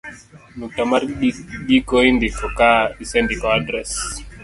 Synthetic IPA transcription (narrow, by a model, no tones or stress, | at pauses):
nuk̚tamaɾɡikɔindikɔkaisɛndikɔadɾɛs